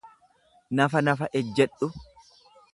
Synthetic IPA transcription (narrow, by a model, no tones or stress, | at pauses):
nɐfɐnɐfɐʔɛd͡ʒːɛᶑʊ